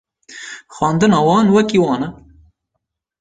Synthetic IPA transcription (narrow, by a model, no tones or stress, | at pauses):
xɑːnd̪ɨnɑːwɑːnwɛkiwɑːnɛ